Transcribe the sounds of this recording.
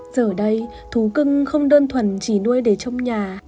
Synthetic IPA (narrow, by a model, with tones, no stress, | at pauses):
z̥əː˨˩ɗə˧j | t̪ʰu˨˦kɨ˧ŋxə˧wŋ͡mɗəː˧nt̪ʰwə˨˩nt͡ɕi˧˩nu˧əjɗe˧˩t͡ɕɔ˧wŋ͡mɲaː˨˩